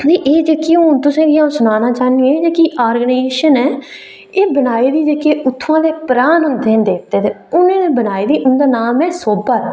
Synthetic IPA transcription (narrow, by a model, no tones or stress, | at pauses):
eːʔeːd͡ʒeːkiːoːnt̪ʊsẽːɡɪjãːʊ̃sʊnaːnãːt͡ʃaːniẽːd͡ʒeːkiːʔaːɾɡəneːeːʃənɛː | eːbənaːiːd̪iːd͡ʒeːkeːʊt̪ʰːãːd̪eːpəɾaːnʊnd̪ẽːd̪eːk̚ʰd̪eːt̪eː | ʊnẽːnẽːbənaːiːd̪iːʔʊnd̪aːnaːmɛːsoːbaːɾ